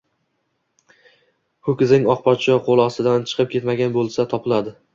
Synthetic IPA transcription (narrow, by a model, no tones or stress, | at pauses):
hʊkʲɪzɪŋɒq̚pʰɒt͡ʃʰɒqʰolˠɒst̪ɪd̪ant͡ʃʰɨ̥qʰɨp̚kʲʰe̞t̪maɡʲanbolˠsat̪ʰɒpʰɪlad̪ɪ